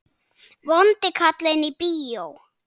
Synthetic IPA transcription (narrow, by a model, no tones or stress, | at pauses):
βɔnt̪ɪkʰat̪lenipiːow